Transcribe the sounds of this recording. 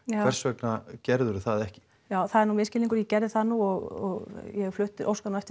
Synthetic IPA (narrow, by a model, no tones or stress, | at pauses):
vɛɾ̥svɛknacɛɾðʏɾʏθaðɛhcɪ̥ | jaːwθaðɛɾnuːmɪːscɪliŋk̬ʏɾjɛcɛɾðɪθaðnuːɔɣɔɣjɛflʏht̪ɪɾʔo̰wskanaɛft̪ɪ